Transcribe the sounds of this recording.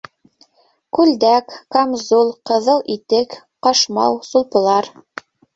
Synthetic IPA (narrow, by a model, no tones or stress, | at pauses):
kʉld̪ækːamzulˠqɤ̆ðɤlˠʔit̪ɘk | qɑʃmɑ̰wsulˠpɤ̆lˠɑɾ